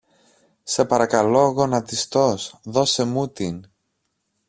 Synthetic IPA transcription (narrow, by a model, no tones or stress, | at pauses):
se̞pɐɾɐkɐlo̞ɣo̞nɐt̪ist̪o̞sðo̞se̞mut̪in